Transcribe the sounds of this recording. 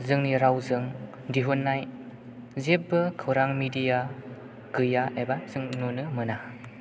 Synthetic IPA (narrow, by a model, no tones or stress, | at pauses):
zɯŋniɾawzɯŋ | diɦunːaj | zep̚ːɯkʰɯwɾaŋmidija | ɡ̥ɯjaʔebazɯŋnonɯmɯna